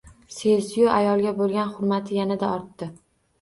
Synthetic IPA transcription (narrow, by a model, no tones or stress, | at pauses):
sesjʊajɒlˠɡʲabolˠɡʲanχʊɾmat̪ʰɪjanɪd̪aɒɾt̪ːɪ